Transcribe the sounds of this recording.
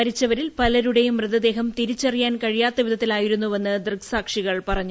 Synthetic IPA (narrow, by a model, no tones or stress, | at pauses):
ɐɾit͡ɕːɐʋɐɾilpɐlɐɾuɽejumːrɨd̪ɐd̪e̞ːɦɐmt̪iɾit͡ɕːɐrijaːnkɐɻijaːt̪ːɐʋid̪ʱɐt̪ːilaːjiɾunːuʋe̞nːɨd̪rɨɡsaːkʂiɣɐɭpɐrɐɲːu